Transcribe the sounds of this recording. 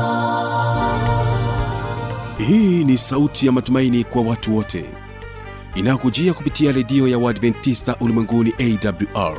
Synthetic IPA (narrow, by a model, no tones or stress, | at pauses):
hiːnisautʰijamatumainikwawatuwɔtʰɛ̰ | inajɔkud͡ʒiakupitiaɾɛɗiɔjawaːdvɛntːistaʔulimwɛŋɡuniʔɛidabljuʔa̰ɹ